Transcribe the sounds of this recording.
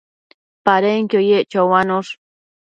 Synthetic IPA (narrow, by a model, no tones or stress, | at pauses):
paɾeŋkojeʔt͡ʃawwanʊɾ